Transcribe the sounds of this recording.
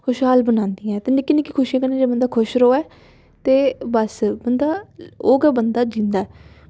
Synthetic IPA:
kʊʃɦaːlbənãːnd̪iːɛ̃ːt̪eːnɪkːiːnɪkːiːkʰʊʃiãːkəneːd͡ʒeːbənd̪aːkʰʊʃɾoːɛː | t̪eːbəsbənd̪aːoːɡɛːbənd̪aːd͡ʒĩːnd̪aːɛː

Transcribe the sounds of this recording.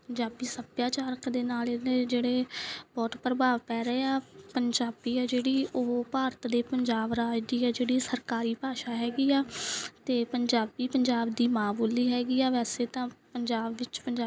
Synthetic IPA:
pəɲd͡ʒaːbiːsəbjaːt͡ʃaːɾəkd̪eːnaːleneːd͡ʒeːɽeːbɔːʈ̪pɾəbaːʋpɛːɾeːaːpəɲd͡ʒaːbiːɛːd͡ʒeːɽiːʔoɦpaːɾət̪d̪eːpəɲd͡ʒaːbɾaːd͡ʒd̪iːɛːd͡ʒeːɽiːsəɾkaːɾiːpaːʃaːɦɛːɡiːaːt̪eːpəɲd͡ʒaːbiːpəɲd͡ʒaːbd̪iːmãːboːliːɦɛːɡiːɛːʋɛːseːt̪ãːpəɲd͡ʒaːbʋɪt͡ʃpəɲd͡ʒaː

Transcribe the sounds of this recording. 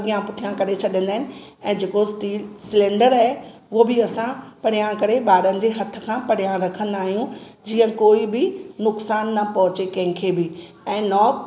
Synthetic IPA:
ɡijãpʊʈʰijãkɐɾet͡ɕʰɐɗiə̃nd̪aɦɪnɪ̆ | ɛ̃ːd͡ʑeːkosʈiːlsɪlẽːɳɖəɾaːɦe | ʊɦobɪɐsãpɐɽ̤ijãkɐɾeɓaːɾənɪ̆d͡ʑeɦɐt̪ʰə̆kʰãpɐɽ̤ijãɾɐkʰə̃nd̪aːɦijũd͡ʑiːə̃koːibɪnʊksaːnːɐpɐɦʊt͡ɕekɐ̃ɦɪ̃kʰebɪɛ̃ːnɔː

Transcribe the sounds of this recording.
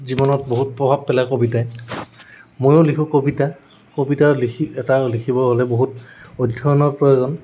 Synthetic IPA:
zibɔnɔtboɦut̚pɹɔbʱabpɛlakobitaj | mojolikʰũkobita | kobitalikʰiɛtalikʰibɔɦolɛboɦutɔdʱːɔnɔpɹɔjozɔn

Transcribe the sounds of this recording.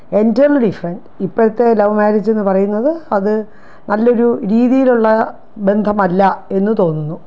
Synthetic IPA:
e̞ndɐlɨɖifɐrenɖ | ipːoɾɐt̪ːe̞lɐʋmaːɾid͡ʑːe̞nːɨpɐrɐjunːɐðɨɐðɨ | nɐlːo̞ɾuɾiːðijiluɭːɐ | be̞nd̪ʱɐmɐlːɐe̞nːɨt̪o̞ːnːunːu

